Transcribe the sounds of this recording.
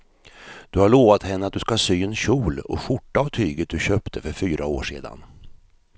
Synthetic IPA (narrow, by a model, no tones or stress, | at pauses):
d̪̥ɵhaɭoːvat̪hɛnːəat̪̚d̪ɵskasyːɛnɕuːlɔ̰ɧʊʈːaːvt̪ʰyːɡət̪̚d̪ɵɕøːpt̪ʰəfœɾfyːɾʔao̰ːʂḛːd̪a̰n